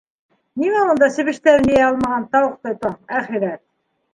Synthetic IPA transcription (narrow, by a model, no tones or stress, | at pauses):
nimæund̪ɑsɘ̆βɘ̆ʃt̪æɾɘnijæɑlˠmɑʁɑnt̪ɑwɤq̚t̪ojt̪ɑæχiɾæt̪̚